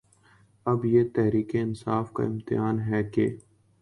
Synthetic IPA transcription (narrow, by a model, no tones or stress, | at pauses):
ɐbjeːt̪ɛɦɾiːkeɪnsaːfka̰ɪmt̪ɪjaːnɦɛːkḛː